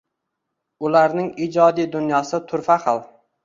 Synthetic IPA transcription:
ʊlaɾnɪŋid͡ʒɒd̪ijd̪ʊnjɒsɪt̪ʰʊɾfaχɑlˠ

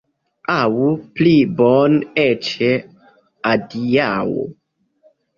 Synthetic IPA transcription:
awuplibɔnet͡ʃe | adiawo̰

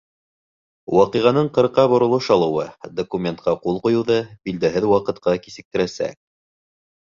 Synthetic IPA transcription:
wɑqiʁɑnɤɴqɤ̆ɾqɑbŏɾŏlˠɤʃɑlˠɤ̆wɤd̪okumʲent̪̚qɑqulˠqŏjŭwðɑbild̪æɦɘðwɑqɤ̆t̪̚qɑkisɘ̆k̚t̪ɘ̆ɾæsæ̰k̚

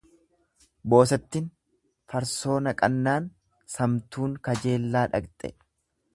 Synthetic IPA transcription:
bo̞ːs̬ɛt̪ːɪn | fɐɾso̞ːnɐkʼɐnːaːn | sɐmt̪uːŋkɐd͡ʒe̞ːlːaːᶑɐ̰ɡt̪ʼɛ̰

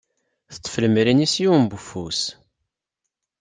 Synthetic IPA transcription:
θə̥t̪ˤːfləmɾinisjuwmbufus

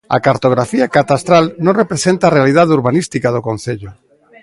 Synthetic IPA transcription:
a̰kaɾt̪oɣ̞ɾafiakat̪ast̪ɾalnõŋrepɾesent̪arealiðaðeuɾβanist̪ikaðokõn̟θeʎʊ

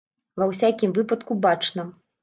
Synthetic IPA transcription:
vɐwsʲakʲimvɨpɐt̪kubat͡ʂnɐ

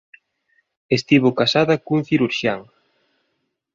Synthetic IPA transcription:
est̪iβ̞okasaðɐkuŋθiɾuɾʃjaŋ

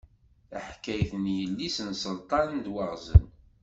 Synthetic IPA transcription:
əħkːæjθənjəlːisənsəlt̪ˤɑnənd̪wəʁzən

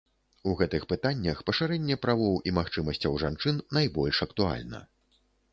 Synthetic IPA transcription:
uɣɛt̪ɨxpɨt̪anʲːɐxpɐʂɨɾɛnʲːɛpɾavɔwʔimaxt͡ʂɨmɐsʲt͡sʲɐwʐant͡ʂɨnːajbɔlʲʂɐkt̪ua̰lʲnɐ̰

